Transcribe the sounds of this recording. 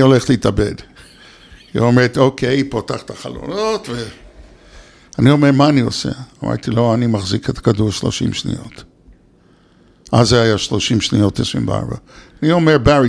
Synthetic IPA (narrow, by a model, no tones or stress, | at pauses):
o̞leχtliitabḛd | hiomeʁet̪okʰejpotaχt̪aχalo̰not̪ve | anio̞meʁmaːniosḛama̰ʁt̪ilo̞animaχziket̪ḁkaduʁʃlo̞̰ʃḭmʃnḭjo̞̰t | ʔazeajaʃlo̞ʃimʃnijo̞tesḭmbḛa̰ʁba̰anio̞meʁbaʁi